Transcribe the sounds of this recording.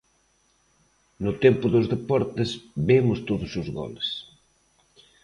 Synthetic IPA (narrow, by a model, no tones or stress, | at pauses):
nʊt̪ɛmpʊðʊzðepɔɾt̪esbemʊst̪oðʊsʊzɣɔ̰les